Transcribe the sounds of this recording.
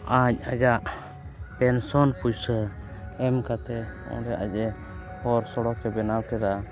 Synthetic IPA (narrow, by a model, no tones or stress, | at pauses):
aɲ̚ad͡ʒaʔ | pɛnsɔnpujsə | ɛmkat̪ɛɔ̰ɾɛʔad͡ʒɛ | hɔɾsɔɽɔkɛbɛnawkɛd̪a